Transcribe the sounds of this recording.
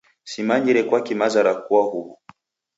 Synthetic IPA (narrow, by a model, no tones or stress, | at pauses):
simaɲiɾɛkwakimazaɾakuaɦuβu